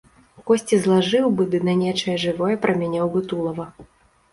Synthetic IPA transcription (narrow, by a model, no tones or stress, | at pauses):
kɔsʲt͡sʲizlˠaʐɨwbɨd̪ɨnɐnʲɛt͡ʂɐjɛʐɨvɔjɛpɾʔɐmʲanʲɛwbɨt̪ulˠɐvɐ